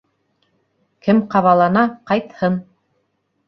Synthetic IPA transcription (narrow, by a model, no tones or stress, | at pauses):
kɘmqɑβɑlˠɑnɑqɑjt̪hɤn